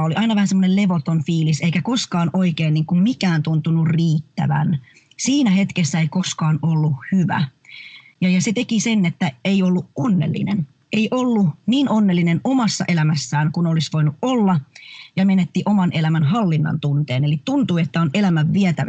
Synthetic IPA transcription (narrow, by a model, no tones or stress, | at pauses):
oliʔɑinɑʋæhænsemːonele̞ʋot̪onfiːliseikækoskɑːnoikeːnniːŋkummikæːnt̪unt̪unurriːt̪ːæ̰ʋæ̰n | siːnæhe̞t̪kesːæeikoskɑːnolːuhyʋæ̰ | jɑjɑset̪ekisenet̪ːæeiolːuʔonːelːḭnen | eiʔolːuniːnonːelːinenomɑsːɑ̰ʔelæmæsːæːŋkunolisʋoinuʔolːɑjɑmenet̪ːiʔomɑnʔelæmænɦɑlːinːɑ̰nt̪unt̪eːnelitt̪unt̪uiet̪ːæonelæmæʋʋiæt̪æ